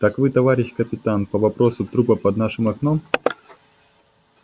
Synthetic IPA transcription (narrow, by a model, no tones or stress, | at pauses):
t̪akvɨt̪ɐvaɾʲɪɕʲkəpʲɪt̪anpɐvɐpɾosʊt̪ɾupəpɐd̪naʂɨmɐknom